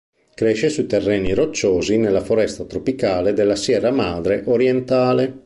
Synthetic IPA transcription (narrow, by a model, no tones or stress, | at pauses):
kɾɛʃesuit̪erːɛːniɾot͡ʃːoːzinelːafoɾɛst̪at̪ɾopikaːled̪elːasjɛːɾamaːd̪ɾeʔoɾjɛnt̪aːle